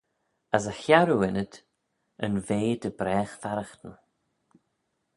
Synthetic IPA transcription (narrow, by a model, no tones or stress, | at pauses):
əs̬əxjaɾuɪnət̪ | ə̰nveːd̪əbɾɛːxfaɾəxt̪ən